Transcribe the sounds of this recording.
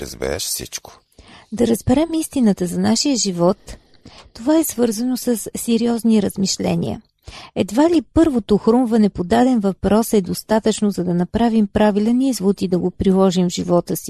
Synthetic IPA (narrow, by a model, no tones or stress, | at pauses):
ɾə̰zbɛ̰ɾɛ̰ʃfsḭt͡ʃko̥ | d̪ɐɾəzbɛɾɛmist̪inət̪əzɐnaʃijəʒivɔt̪ː | ovaɛsvɤɾzənosəsːɛɾiɔzniɾəzmiʃlɛ̰nḭə̰ | ɛd̪valipɤɾvot̪oxɾumvɐnɛpod̪ad̪ɛnvɐpɾɔsɛd̪ost̪at̪ət͡ʃnozɐd̪ɐnɐpɾavimpɾavilɛnizvut̪id̪ɐɡopɾilˠɔʒimvʒivɔt̪əsi̥